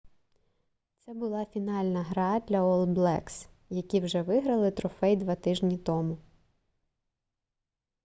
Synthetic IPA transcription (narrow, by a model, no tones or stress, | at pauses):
t̪sɛbʊlˠɑfʲinɑlʲnɐɦɾɑd̪ʲlʲɐɔlˠblˠɛks | jɐkʲiwʒɛʋɪɦɾɐlˠɪt̪ɾɔfɛjd̪ʋɑt̪ɪʒnʲit̪ɔmʊ